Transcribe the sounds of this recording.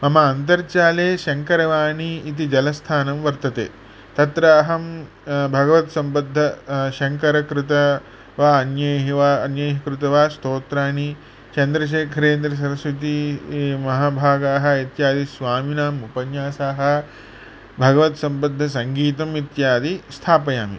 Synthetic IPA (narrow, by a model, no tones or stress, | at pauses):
mɐmɐːnt̪ɐɾt͡ʃaːleːʃɐŋkɐɾɐʋaːniːt̪̬id͡ʒɐlɐst̪ʰaːnɐmʋɐɾt̪ɐt̪ḛː | t̪ɐt̪ɾaːɦɐm | bʱɐɡɐʋɐt̪sɐmbɐd̪ʱːɐʃɐŋkɐɾɐkɾɪt̪ɐ | ʋaːɐnjɐɦɐʋaɐnjɐjɦɐkɾut̪ɐʋaːst̪oːt̪ɾaːni | t͡ʃɐnd̪ɾɐʃ̬eːkʰɐɾeːnd̪ɾɐs̬ɐɾɐsʋɐt̪imɐɦaːbʱaːɡaːɦɐ̆it̪jaːd̪isʋaːminaːmupɐnjaːsaːɦɐ̆ | bʱɐɡɐʋɐt̪sɐmbɐd̪ʱːɐsɐŋɡiːt̪ɐmit̪jaːd̪ist̪ʰaːpɐjaːmḭ